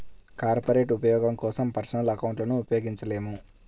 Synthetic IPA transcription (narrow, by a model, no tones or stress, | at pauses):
kaːɾpɐɾe̞ːʈupɐjɔːɡɐmkɔːsɐmpɐɾsɐnɐlɐkɐwɳʈlɐnuːpɐjoːɡiɲt͡ʃɐle̞ːmu